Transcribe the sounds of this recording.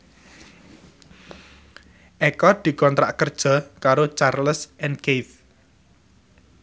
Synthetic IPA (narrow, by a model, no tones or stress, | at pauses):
ʔekɔd̪̥i̤kɔnt̪ɾa̰ʔkərd̥ʒ̥ɔ̤kaɾot͡ʃarləsʔɛnkef